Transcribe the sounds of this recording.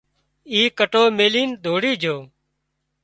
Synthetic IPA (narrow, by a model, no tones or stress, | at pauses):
iːkəʈoːmeːliːnd̪ʱoːɽiːd͡ʒʱoː